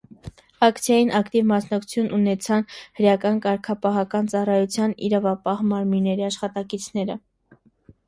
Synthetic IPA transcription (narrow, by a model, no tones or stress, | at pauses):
ɑkt͡sʰjɑjinʔɑkt̪ivmɑsnɑk̚t͡sʰu̥t͡sʰjunʔunɛt͡sʰɑnhəɾjɑkɑnkɑɾkʰɑpɑɦɑkɑnt͡sɑrɑjut͡sʰjɑnḭɾɑvɑpɑhmɑɾminːɛɾiɑʃχɑt̪ɑkit͡sʰnɛɾə